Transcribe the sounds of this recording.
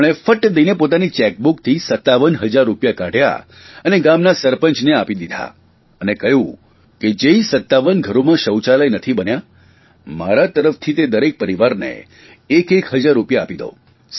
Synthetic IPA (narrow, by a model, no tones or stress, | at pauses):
ɭ̃efəʈd̪əinepot̪anit͡ʃɛk̚bukt̪ʰisət̪ːaʋənɦəd͡ʒaɾːupjakaɽ̤ʱja̰ | əneɡamnasəɾpənt͡ʃneapid̪id̪ʱa̰ | ənekəjũ | ked͡ʒeisət̪ːaʋənɡʱəɾomãʃəwt͡ʃalajnət̪ʰibənja | maɾat̪əɾəft̪ʰit̪ed̪əɾek̚pəɾiʋaɾnḛː | kekɦəd͡ʒaɾːupjaːpid̪o̰